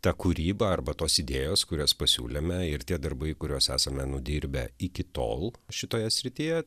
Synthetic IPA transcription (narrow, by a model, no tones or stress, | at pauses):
t̪ɑːkʊɾʲiːbɐɐrbɐt̪oːsɪd̪ʲeːjoːskʊɾʲoːspɐsʲṵːlʲemʲɛɪɾt̪ʲiɛd̪ɐɾbɐɪkʊɾʲoːsæ̰ːsɐmʲɛnʊd̪ʲiːɾʲbʲɛ̰ɪkʲɪt̪o̰ːlˠʃʲɪt̪oːjɛsʲɾʲɪt̪ʲijɛ